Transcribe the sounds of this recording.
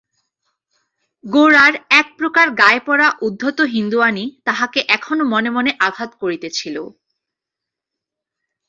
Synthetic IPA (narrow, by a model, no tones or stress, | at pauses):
ɡoɾaɾɛk̚pɾokaɾɡaepɔɾaʔud̪ʱːot̪oɦind̪uanit̪aɦakeʔɛkʰonomɔnemɔneʔaɡʱat̪koɾit̪et͡ɕʰilo̰